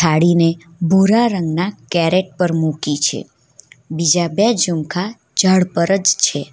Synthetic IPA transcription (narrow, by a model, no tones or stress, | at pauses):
tʰaɽine | bʱuɾaɾəŋɡnakɛɾeʈ̚pəɾmukit͡ʃʰḛ | bid͡ʒabɛd͡ʒumkʰa | d͡ʒəɭpəɾəd͡ʒt͡ʃʰe